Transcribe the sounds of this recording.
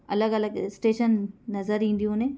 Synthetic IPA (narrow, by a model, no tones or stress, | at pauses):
ɐlɐɡɐlɐɡsʈeːʃɐnːɐzɐɾiiɳɖ̪ijũːne